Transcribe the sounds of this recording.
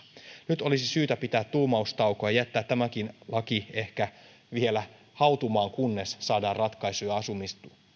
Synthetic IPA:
nyt̪o̞lisisyːt̪æpit̪æːt̪t̪uːmɑust̪ɑwkojɑjæt̪ːæːt̪ːæmæk̟inlɑkie̞hkæ | ʋielæ | hɑut̪umɑːŋkunːesːɑːdɑːrrɑt̪kɑisujɑɑsumist̪u

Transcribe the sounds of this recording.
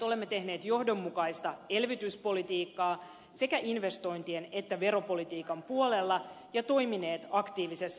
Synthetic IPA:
ole̞mːet̪e̞hne̞ːt̪jo̞hdo̞mːukɑist̪ɑe̞lʋit̪yspo̞lit̪iːkːɑː | se̞kæʔinʋe̞st̪o̞jnt̪iene̞t̪ːæʋe̞ɾo̞po̞lit̪iːkɑmpuolelːɑ | jɑt̪o̞jmine̞ːt̪ɑkt̪iːʋisesː

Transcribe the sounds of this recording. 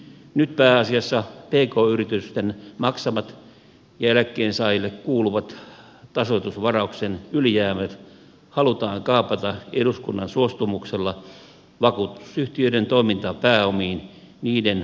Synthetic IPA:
nyt̪̚pæːɑsiɑsːɑpeːkoːyrit̪yst̪enmɑksɑmɑt̪ | jɑelækːeːnsɑːjilːekkuːluʋɑt̪ | t̪ɑsot̪usʋɑrɑuksenyljæːmæt̪ | hɑlut̪ɑːŋkɑːpɑt̪ɑeɾuskunːɑnsuost̪umukselːɑ | ʋɑkuːt̪u̥syht̪iøident̪oimint̪ɑpæːomiːn | niːden

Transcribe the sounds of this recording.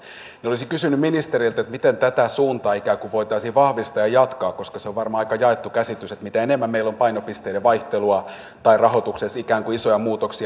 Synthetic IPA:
neolisikysynːyminist̪eɾilt̪et̪mit̪ent̪æt̪æsuːnt̪ɑːikæːkuʋʋoit̪ɑisiːʋʋɑhʋist̪ɑːjɑjɑt̪kɑːkkoskɑseoʋʋɑrmɑɑikɑjɑet̪ːukæsit̪yset̪mit̪æenemːæmmeilːompɑinopist̪eileʋɑiht̪eluɑ | t̪ɑirɑhot̪uksesikæːŋkuisojɑmuːt̪oksi

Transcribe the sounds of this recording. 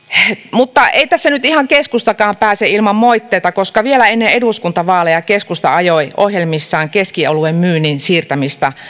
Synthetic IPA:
mut̪ːɑʔeit̪æsːænyt̪ihɑŋkeskust̪ɑkɑːmpæːseilmɑmmoit̪ːeːt̪ɑkoskɑʋielæenːeeduskunt̪ɑʋɑːlejɑkeskust̪ɑ̰ɑjoiʔohjelmisːɑːŋkeskio̰luemmyːninsiːrt̪æmist̪ɑ

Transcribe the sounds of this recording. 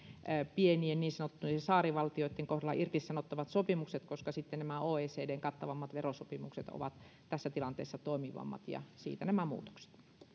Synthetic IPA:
pienienniːnsɑnot̪ːuisesɑːriʋɑlt̪ioˑit̪ːeŋkohɾɑlːɑ̰ʔirt̪issɑnot̪ːɑʋɑt̪sopimukset̪koskɑsit̪ːennæmæoːeːseːdeːŋkɑt̪ːɑʋɑmːɑt̪ʋerosopimukset̪o̰ʋɑt̪ | t̪æsːæt̪ilɑnt̪ḛːsːɑt̪oˑimiʋɑ̰mːɑ̰t̪jɑ̰sḭːt̪ænæmæmṵːt̪o̥kse̥t̪

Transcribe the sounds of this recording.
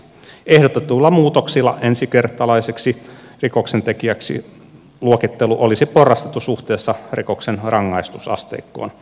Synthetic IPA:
ehdot̪et̪ulːɑmuːt̪oksilːɑensikert̪ɑlɑiseksi | rikoksent̪ekiæksḭ | luokit̪ːeluʔolisiporːɑst̪et̪ːusuht̪eːsːɑriko̞ksenrɑŋːɑist̪usɑ̰st̪ḛikːoːn

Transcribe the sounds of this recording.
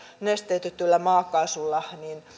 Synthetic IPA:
nest̪eyt̪et̪ːylːæmɑːkːɑsulːɑnin

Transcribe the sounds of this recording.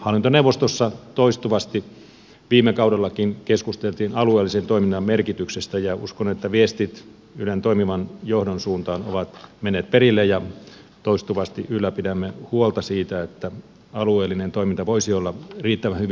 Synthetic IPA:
hɑlːint̪oneuʋːˑost̪osːɑt̪oist̪uʋɑst̪i | ʋiːmːekɑudelːɑkinkeskust̪elt̪iːnɑlueːlːisent̪oiminːɑmmerkit̪yksest̪æjɑuskonet̪ːæʋiest̪it̪ | ylent̪oimiʋɑnjohdonsuːnt̪ɑːno̰ʋɑt̪menːeːt̪̚perilːejɑ | t̪oist̪uʋɑst̪iʔylːæpidæmːehuolt̪ɑsiːt̪æet̪ːæ | ɑlueːlːinent̪oimint̪ɑʋoisiolːɑriːt̪ːæʋæhyʋi

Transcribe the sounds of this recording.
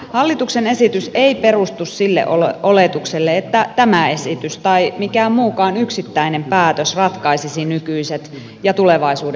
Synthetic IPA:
hɑlːit̪uksene̞sit̪yseipe̞rust̪ussilːḛʔoolet̪ukselːeet̪ːæt̪æmæe̞sit̪yst̪ɑimikæːmmuːkɑːnyksit̪ːæinempæːt̪øsrɑt̪kɑisisinykyiset̪ | jɑt̪uleʋɑisuːde

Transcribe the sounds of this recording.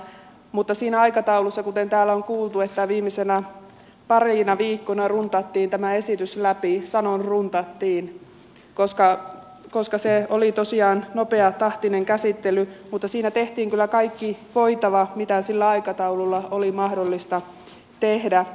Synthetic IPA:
mut̪ːɑsiːnæɑikɑt̪ɑulusːɑkut̪ent̪æːlːæoŋkuːlt̪uet̪ːæʋiːmisenæ | pɑriːnɑʋiːkːonɑrunt̪ɑt̪ːiːnt̪æmæesit̪yslæpisɑnonrunt̪ɑt̪ːiːn | koskɑ | koskɑseolit̪osiɑːnnopeɑt̪ɑht̪ineŋkæsit̪ːelymut̪ːɑsiːnæt̪eht̪iːŋkylːækɑikːiʋoit̪ɑʋɑmit̪æsilːæɑikɑt̪ɑululːɑolimɑhdolːist̪ɑ | t̪ehdæ

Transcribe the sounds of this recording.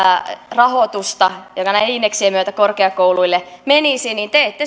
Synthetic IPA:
rɑhot̪ust̪ɑjokɑnæiinːeksiemyøt̪ækorkeɑkouluilːemenisinint̪eet̪ːe

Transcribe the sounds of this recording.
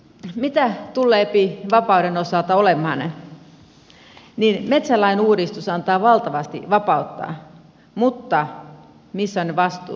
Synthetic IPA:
mit̪æt̪ulːeːpiʋɑpɑuɾenosɑlt̪ɑolemhɑ̰n | ninmet̪sælːɑineuːɾist̪usɑnt̪ɑːʋɑlt̪ɑʋɑst̪ḭʋɑpɑut̪ːɑ̰ː | mut̪ːɑ | misːæonːeʋɑst̪ˑṵː

